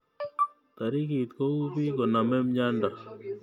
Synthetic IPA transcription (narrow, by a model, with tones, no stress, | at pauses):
t̪a˨ɾi˦ki˨t̪ko˦u˦bi˦kɔ˨na˨mɛ˦mɲa˦nda˨